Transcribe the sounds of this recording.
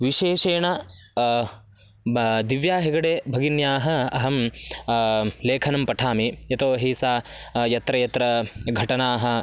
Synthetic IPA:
ʋiʃeːʂeːɳɐ | d̪iʋjaːɦeɡɐɽeːbʱɐɡinjaːɦɐɐɦɐm | leːkʰɐnɐmpɐʈʰaːmijɐt̪oːɦiːsaːjɐt̪ɾɐjɐt̪ɾɐɡʱɐʈɐnaːɦɐ̆

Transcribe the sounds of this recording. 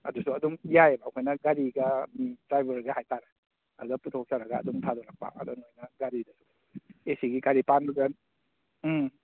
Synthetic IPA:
ɐ̰dusuɐdumjaebakʰojnɐɡaɾiɡamidɾajbəɾɡahajtaɾa | a̰duaputʰok̚t͡ʃaɾɐɡa̰ːdumtʰadɔlak̚pa̰ʔɐ̰dunojnɐɡaɾidɐsu | esiɡikaɾipanɡɾan̩

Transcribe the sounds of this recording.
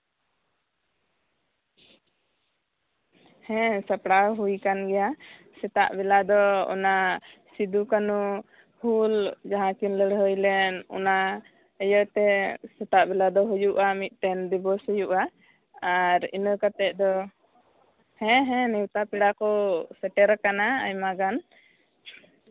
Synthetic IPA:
hɛ̃səpɽaɦujkanɡɛja | sɛt̪a̰ʔbɛlad̪ɔɔ̰nasid̪ukanu | huld͡ʒaɦãkinləɽɦəjlɛnɔ̰na | ɛjəʔt̪ɛsɛt̪aʔbɛlad̪ɔɦɔjuʔamit̪̚ˀʈɛnd̪ibɔshəjuʔa | aɾḭnəkat̪ɛʔ̚d̪ɔ | hɛ̃ɦɛ̃niwt̪apɛɽakɔsɛʈɛɾakanaajmaɡan

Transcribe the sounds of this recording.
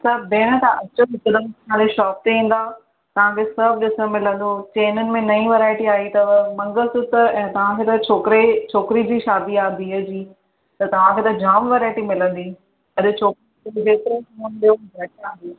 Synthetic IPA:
sɐbeːnə̆t̪ɐʔɐt͡ɕʊɦʊkəɗəmɐãːɾeʃɔːk̚t̪eĩːn̆d̪aː | t̪ɐʋ̤ãkʰesɐb̚ɗɪsə̃mɪlə̃nd̪ot͡ɕeːnʊnɪ̆mẽnɐĩʋeːɾaːɪʈiaːɦit̪ɐʋmɐ̃ŋɡəsʊt̪əɛ̃ːt̪ɐʋ̤ãkʰeːt̪ɐt͡ɕʰoːkɾet͡ɕʰoːkɾid͡ʑiːʃaːd̪iaːnd̪iːəd͡ʑiː | t̪ɐt̪ɐʋ̤ãkʰeːt̪ɐd͡ʑaːmʋeːɾaːɪʈimɪlə̃nd̪i | ɐɗt͡ɕʰoːkɾid͡ʑeːt̪ɪɾẽsũnd̪ijoɡʱɐʈãːi

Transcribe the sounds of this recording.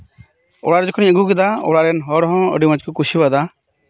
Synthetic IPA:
ɔ̰ɽaɾɛd͡ʒɔkʰɔniəɡukɛd̪aɔ̰ɽaɾɛnɦɔɽɦɔ̃ə̰ɖimat͡ʃkukusibad̪a

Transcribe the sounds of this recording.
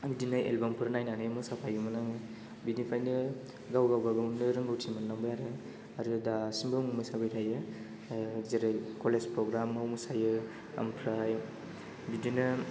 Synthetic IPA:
bidinɯḛlbampʰɯɾanajnanɯjmusapʰajɯmɯnaŋɯ | bidipʰajnɯ | ɡawɡawbabɯŋunɯɾɯŋɡɯwtʰimannaŋbɯjaɾɯ | aɾɯdasimbɯŋumɯsabɯjɾʰajɯ | zeɾɯkolezpɾɔɡɾamawmusajɯ | a̰mpʰɾaj | bidinɯ

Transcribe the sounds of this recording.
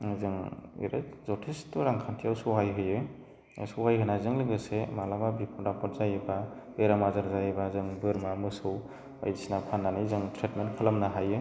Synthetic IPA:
zɯŋḭɾa̰zɔtʰistːɔɾaŋkʰantʰijawsuwɦajɦɯjɯ | sɯwɦajɦɯnazɯŋlɯŋɡɯsemalamabipʰɔdapʰɔt̚zajeba | beɾamazaɾzajɯbazɯŋbɯɾmamɯsɯw | a̰jsinapʰanːanɯjzɯŋtʰɾetmentkʰɯlamnaɦajɯ

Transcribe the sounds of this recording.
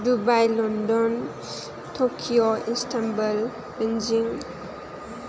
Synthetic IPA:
dubajlɔndɔn | tʰokʰijoinstanbəl | bend͡ʒiŋ

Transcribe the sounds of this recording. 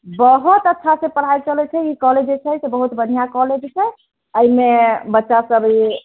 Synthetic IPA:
bəɦut̪ətːʃʰasepəɽ̤ajt͡ʃəlɛt͡ʃʰɛikɔled͡ʒet͡ʃʰɛsebəɦut̪bənijakɔled͡ʒt͡ʃʰɛ | əimebətːʃasəbi

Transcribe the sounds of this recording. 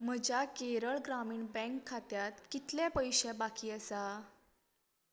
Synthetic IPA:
m̤əd͡ʑakeɾəɭɡɾamiːɳbɛ̃ŋkʰːat̪jat̪kit̪ljapəjɕabakiːəsa

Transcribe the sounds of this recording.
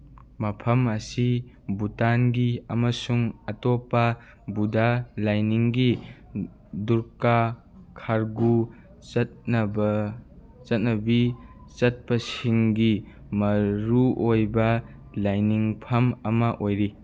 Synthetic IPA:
mɐpʰɐmɐsi | butanɡiɐmɐsuŋɐtopːɐ | budalajniŋɡi | duɾka | kʰaɾɡu | t͡ʃɐt̚nɐbɐ | t͡ʃɐt̚nɐbit͡ʃɐt̚pɐsiŋɡi | mɐɾuʔojbɐ | lajniŋpʰɐmɐmɐʔojɾi

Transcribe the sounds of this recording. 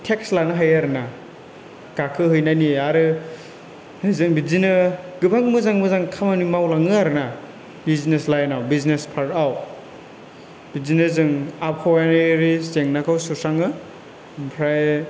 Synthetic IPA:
tʰekslanaɦajaɾɯna | kakʰɯɦɯjnaniaɾɯ | ɯzɯŋbizinɯɡɯbaŋmɯzaŋmɯzaŋkʰamanimawlaŋɯaɾɯna | bizneslajnawbiznespʰaɾtaw | b̥izinɯzɯŋap̚hʰawaneɾiseŋnakʰawsusaŋɯ | pʰɾaj

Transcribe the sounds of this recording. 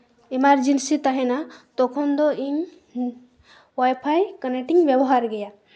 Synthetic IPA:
imaɾd͡ʒɛnsit̪aɦɛ̃nat̪ɔkʰɔnd̪ɔʔiɲ | wajpʰajkəneʈiŋbjɛbɔɦaɾɡɛja

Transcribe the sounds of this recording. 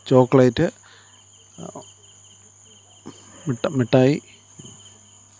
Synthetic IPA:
t͡ɕoːkːɭɐjtːɨ | meʈːmeʈːaːji

